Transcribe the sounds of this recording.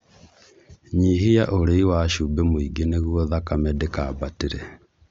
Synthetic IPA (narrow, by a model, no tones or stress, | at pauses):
ɲiɦijaʔoɾeiwaʃubemoiɡeneɣwɔðakamɛdekaːbateɾɛ